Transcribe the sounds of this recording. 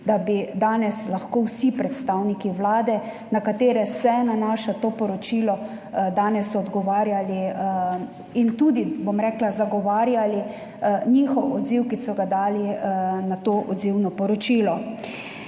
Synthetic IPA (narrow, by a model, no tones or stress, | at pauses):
d̪abid̪aːnɛslaxkowsipɾɛt̪st̪awnikiʋlaːd̪ɛ | nakat̪eːɾɛsɛnanaːʃat̪oːpɔɾɔt͡ʃilɔ | d̪aːnɛsɔd̪ɡɔʋaːɾjali | int̪uːd̪ibomɾɛːklazaɡɔʋaːɾjali | ɲixɔwɔd̪ziwkisɔɡad̪aːlinat̪oːʔɔd̪ziwnɔpɔɾɔt͡ʃiːlɔ